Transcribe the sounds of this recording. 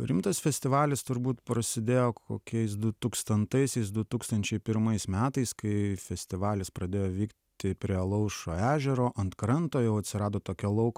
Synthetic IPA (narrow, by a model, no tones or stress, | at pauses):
ɾʲɪmt̪ɐsfʲɛsʲt̪ʲɪʋɑːlʲɪst̪ʊɾbuːt̪pɾɐsʲɪd̪ʲeːjoːkʰo̰ːkʲɛɪsd̪ʊt̪uːkst̪ɐnt̪ɐɪsʲɛɪs̬d̪ʊt̪uːkst̪ɐnʲt͡ʃʲɛɪpʲɪɾmɐɪsmʲæːt̪ɐɪskɐɪfʲɛsʲt̪ʲɪʋɑːlʲɪspɾɐd̪ʲeːjoːʋʲiːk | t̪ʲɪpʲɾʲiɛlˠɐʊʃoːæːʒʲɛɾoːʔɐnt̪kɾɐnt̪oːjɛʊɐt̪ʲsʲɪɾɑːd̪oːt̪oːkʲɛlˠɐʊk